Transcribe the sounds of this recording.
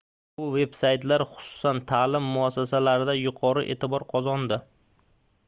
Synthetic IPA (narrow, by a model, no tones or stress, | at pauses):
bʊve̞bsajt̪laɾχʊ̥sʊ̥sant̪ʰalɪmːʊasːasalaɾɪd̪ajʊqʰɒɾɪʔe̞̰ːt̪ɪbɒɾqʰɒzɒnd̪ɪ